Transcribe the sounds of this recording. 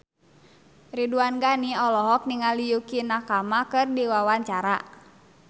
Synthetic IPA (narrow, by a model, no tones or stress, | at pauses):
riduanɡaniɔlɔɦɔk̚niŋalijukinakamakɨrdiwawaɲt͡ʃaɾa